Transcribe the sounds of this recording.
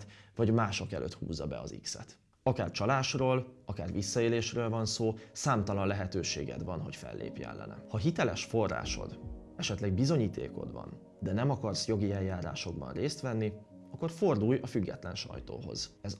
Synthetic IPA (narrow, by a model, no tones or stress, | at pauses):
t̪vɒɟmaːʃo̞kɛ̰lʔø̰ːt̪hṵːzːɒbɛɒzḭksɛ̰t̪ | ɒkaːrt͡ʃɒlaːʃroːlɒkaːrvisːɒeːleːʃrøːlvɒnsoːsaːmt̪ɒlɒnlɛɦɛt̪øːʃḛːɡɛ̰d̪vɒnɦocfɛ̰lːʔḛːpjɛ̰lːɛ̰nɛ̰hɒɦit̪ɛlɛʃfo̞rːa̰ːʃo̞̰d̪ | ɛʃɛt̪lɛɡbizo̞ɲiːt̪ʰḛːko̞d̪vɒ̰n | d̪ɛnɛmɒkɒrsjo̞ɡiɛjːaːɾa̰ːʃo̞ɡbɒ̰nreːst̪ʋɛnːi | ɒkːo̞rfo̞rd̪uːjɒfyɡːɛt̪lɛnʃɒ̰jt̪o̰ːɦo̞̰z̥ɛz